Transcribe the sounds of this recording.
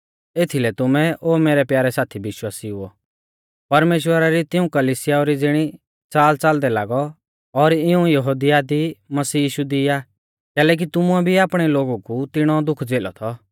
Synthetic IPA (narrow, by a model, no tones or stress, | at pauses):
eːt̪ʰilɛt̪ʊmɛʔoːmeːɾɛpjaːɾɛsaːt̪ʰibɪʃwaːsiɦʊɔ | pɐɾmeːʃ̬wəɾaɾit̪ɪũkɐlisɪjaɔɾid͡zɪɽ̃i | t͡saːlt͡sald̪ɛlaːɡɔ | ɔɾɪũjɐɦoːd̪ɪjad̪imɐsiːjiːʃud̪iaː | kɛːlɛːk̬it̪ʊmuɛbʱiaːpɽ̃ɛloːɡukut̪ɪɽ̃ɔd̪ʊkʰd͡zeːlɔ̰t̪ʰɔ